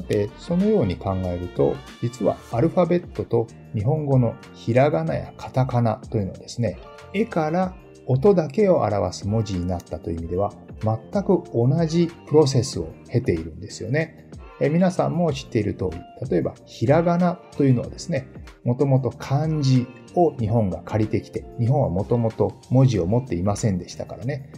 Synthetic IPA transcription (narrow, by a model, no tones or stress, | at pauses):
sat̪e̞so̞no̞jo̞ːɲ̟ikãŋɡae̞ɾɯ̟t̪o̞̰ | d͡ʑit͡sɨβa̰ːɾɯ̟ɸabe̞t̪ːo̞t̪o̞ | ɲ̟iɦõ̞ŋɡo̞no̞ | çiɾaɡana̰ja̰kʰḁt̪akana̰t̪o̞jiɯ̟no̞ad̪esɨne̞ | e̞kaɾa | o̞t̪o̞d̪ake̞o̞ʔa̰ɾa̰βa̰sɨmo̞d͡ʑiɲ̟inat̪ːat̪o̞imid̪e̞β̞a | mat̪ːakɯ̟o̞naʑipɯ̟ɾo̞s̬e̞sɨo̞̰he̞t̪e̞iɾɯ̟̃nd̪e̞sɨjo̞ne̞ | emʲinasã̰mːo̞ɕi̥t̪ːe̞iɾɯ̟t̪o̞̰ːɾʲḭt̪at̪o̞e̞ba̰çiɾaɡanat̪o̞jɯ̟no̞a̰d̪e̞sɨnemo̞t̪o̞mo̞t̪o̞kʰãɲ̟d͡ʑi | o̞ɲ̟iɦõ̞ŋɡakʰaɾʲit̪e̞kʲi̥t̪e̞ɲ̟iɦõɰ̃βa̰mo̞t̪o̞mo̞t̪o̞mo̞ʑio̞mo̞t̪ːe̞imasẽ̞nd̪e̞ɕi̥t̪akaɾane̞